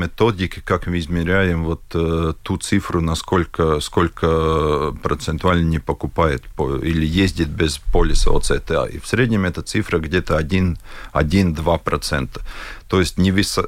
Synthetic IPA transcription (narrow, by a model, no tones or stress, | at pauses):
mʲɪt̪odʲɪkʲɪ̥kakmɨɪzmʲɪɾʲæjɪmvot̪t̪ːut̪sɨfɾʊnɐskolʲkəskolʲkəpɾət̪sɨnt̪ʊalʲnənʲɪpəkʊpajɪt̪poilʲɪjezʲdʲɪt̪̚bʲɪzpolʲɪsə̰o̰t̪sɛt̪ɛa̰ʔḭfsʲɾʲed̪ʲnʲɪmɛt̪ət̪sɨfɾəɡdʲet̪əɐdʲinɐ̰dʲind̪vapɾɐt̪sɛnt̪ə̥t̪ojɪsʲtʲnʲɪvʲɪs